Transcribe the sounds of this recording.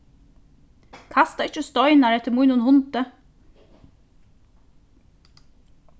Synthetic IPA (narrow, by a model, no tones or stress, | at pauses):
kʰɑst̪ɑɪt͡ʃəst̪ɔʏnɑɾɛt̪əmuːɪnuːnhʊnt̪ə